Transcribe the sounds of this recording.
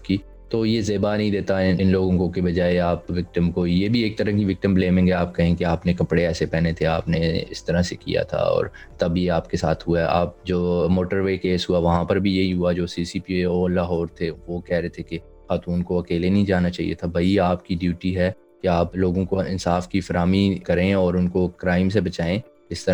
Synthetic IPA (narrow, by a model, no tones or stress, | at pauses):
ki | t̪oːjezeːbanɐɦĩd̪eːt̪aɪnloːɡõkõkebɐd͡ʒaːeaːpʋɪk̚ʈəmkoːijebʱieːk̚t̪ɐɾə̃kiʋɪk̚ʈəmbleːmɪ̃ŋɡɦɛaːp̚kɐɦẽkeaːpnekɐpɽeɛːsepɛːnet̪ʰeaːpneɪ̰st̪ɐɾasekḭja̰t̪ʰa̰ɔ̰ːɾ | t̪ɐbjeaːpkesaːt̪ʰɦuaɛa̰ːp̚d͡ʒoːmoːʈəɾʋeːkeːsɦuaʋɐɦãpɐɾbʱijeɦiɦuad͡ʒoːsiːsipieɔːɾlaːɦɔːɾt̪ʰeʋokɛɦɾet̪ʰeke | xaːt̪uːnkoɐkeːlenɐɦĩd͡ʒaːnat͡ʃaːɦḭḛt̪ʰabʱɐiaːpkiɖjuːʈiɦɛ | keaːploːɡõkoɪ̰̃nsaːfkifɐɾaːmikɐɾẽɔːɾʊnkokɾaːɪms̬ebɐt͡ʃaːẽ | ɪst̪ɐɾ